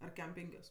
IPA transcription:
ɐr ˈkʲɛm ˈpʲɛŋʲkʲoːs

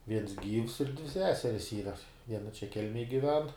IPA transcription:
ˈʋʲiɛns ˈɡʲiːws ɪr dʲʋʲɪ ˈsʲæːsʲɛrʲɪs ˈiːrɐ ˈʋʲiɛnɐ t͡ʃʲɛ ˈkʲɛlʲmʲɛj ɡʲɪˈʋʲɛn

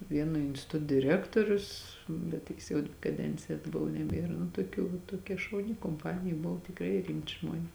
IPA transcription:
ˈʋʲiɛnoː ɪnʲsʲtʲɪˈtʊt dʲɪˈrʲæːktoːrʲʊs bʲɛt ˈtʲɪks jɛʊ kɐˈdʲɛnʲt͡sʲɪjɛ ɐdˈbʊw nʲɛˈbʲiɛrɐ nʊ tuɔˈkʲuː ʋɐ toːˈkʲɛ ʃɐʊˈnʲɪ koːmˈpɑːnʲɪjɛ ˈbʊw tʲɪkˈrɐɪ ˈrʲɪmʲtʲɪ ˈʒmuɔnʲɛs

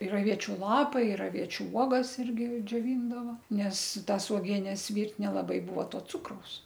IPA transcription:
ɪr ɐˈʋʲiɛt͡ʃʲʊ ˈlˠɑːpɐɪ ɪr ɐˈʋʲiɛt͡ʃʲʊ ˈuɔɡɐs ˈɪrʲɡʲɪ d͡ʒʲoːˈʋʲiːndɐʋɐ ˈnʲɛs ˈtɐs uɔˈɡʲiɛnʲɛs ˈʋʲiːrʲtʲ nʲɛlˠɐˈbɐɪ ˈbʊʋoː ˈtoː ˈt͡sʊkrɐʊs

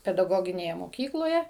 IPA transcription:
pʲɛdɐˈɡoːɡʲɪnʲeːjɛ moːˈkʲiːklˠoːjɛ

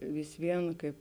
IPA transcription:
ʋʲɪs ˈʋʲiɛn ˈkɐɪp

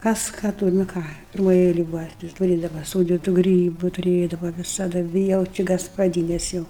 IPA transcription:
kɐs ˈkɑː ˈtʊr nʊ ˈkɑː pʲɪrˈmoːj ˈɛɪlʲɛj ˈbʊʋɐ tɐɪ tʊˈrʲeːdɐʋɐ ˈsuːdʲiːtʊ ˈɡrʲiːbʊ tʊˈrʲeːdɐʋɐ ʋʲɪsɐˈdɐ ˈʋʲɪ jɛʊ ˈt͡ʃʲɪ ɡɐspɐˈdʲiːnʲɛs ˈjɛʊ

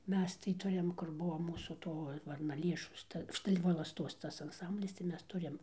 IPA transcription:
ˈmʲɛs tɐɪ ˈtʊrʲɪm kʊr ˈbuɔ ˈmuːsuː ˈtoː ʋɐrnɐˈlʲeːʃoːs ˈtɐ ˈʃtɐɪ ʋoːlˠɐsˈtoːs ˈtɐs ɐnˈsɐmʲbʲlʲɪs tɐɪ ˈmʲɛs ˈtʊrʲɪm

